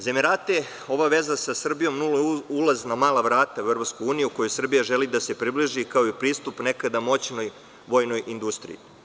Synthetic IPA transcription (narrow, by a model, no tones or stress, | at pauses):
zemeɾat̪e | o̞ʋaʋe̞zasasr̩bijo̞mnuloulaznamaːlˠaʋɾaːt̪auevɾopskujuːnijuko̞josr̩bijaʒelid̪ase̞pɾibliʒikao̞ipɾiːst̪upne̞kad̪amo̞t͡ɕno̞j | ʋo̞jno̞jʔind̪ust̪ɾḭji